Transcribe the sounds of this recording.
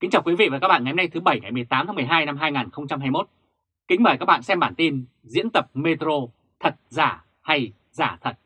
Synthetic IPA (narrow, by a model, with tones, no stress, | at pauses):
ki˨˦ŋt͡ɕaː˨˩wkwi˨˦vḭ˧˨vaː˨˩kaː˦˥k̚ɓ̰ːna˨˩hə˧˦n˧jt̪ɨ˨˦ɓə˧˩jŋa˨˩jmɨ˨˩əjt̪aː˨˦maː˨˦m˨˩əjɦaː˧jna˧mɦaː˧jŋaː˨˩nxə˧wŋ͡mt͡ɕa˧mɦaː˧jmo˦˥t̚ | kï˨˦ŋ̟məː˨˩jkaː˦˥k̚ɓa̰ː˧˨sɛ˧mɓaː˧˩nt̪i˧n | zḭ˧˥ənt̪ə˨˩p̚me˧t̪ɾo˧ | t̪ʰə˨˩t̚zaː˧˩ | ha˧j | zaː˧˩t̪ʰə˨˩t̚